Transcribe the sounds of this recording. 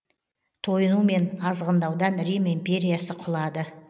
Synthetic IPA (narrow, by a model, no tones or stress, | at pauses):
t̪ʰo̞jənume̞nɑzʁənd̪ɑwd̪ɑnɾijmempʲe̞ɾijasəqʰʊlˠɑd̪ə